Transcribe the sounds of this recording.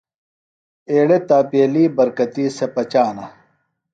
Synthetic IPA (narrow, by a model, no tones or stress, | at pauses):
eːɽet̪aːpeːliːbɐɾkɐt̪iːsepɐt͡ɕaːnɐ